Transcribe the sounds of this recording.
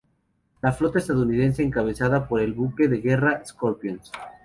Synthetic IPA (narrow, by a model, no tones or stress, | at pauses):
laflot̪aest̪aðunið̞enseːŋkaβe̞θað̞apoɾe̞lβukeðeɣeraeskoɾpjons